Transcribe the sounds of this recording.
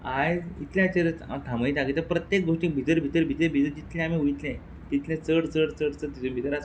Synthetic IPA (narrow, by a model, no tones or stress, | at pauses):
ajit̪ljãt͡ɕəɾət͡sa̰ʈʰãməiːt̪akit̪əpɾət̪jek̚ɡoʂʈiːk̚bʱit̪əɾʱit̪əɾbʱit̪əɾbʱit̪əɾd͡ʑit̪lɛ̃amiujt̪lɛ̃ | t̪it̪lɛ̃t͡səɽt͡səɽt͡səɽt͡səɾt̪it̪ʰubʱit̪əɾas